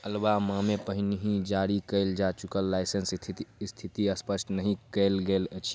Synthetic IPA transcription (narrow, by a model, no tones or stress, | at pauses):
əlbamamepəɦniɦĩd͡ʒaɾikəɪld͡ʒat͡ʃukəlːaɪsənsʰst̪ʰit̪iəspəsʈnəɦĩkəlɡəelt͡ʃʰ